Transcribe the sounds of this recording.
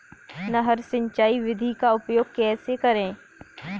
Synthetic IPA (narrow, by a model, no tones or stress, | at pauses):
nɐɦɐɾsɪ̃ɲt͡ʃaːiʋɪd̪ʱikaʊpjoːɡ̚kɛːsekɐɾẽː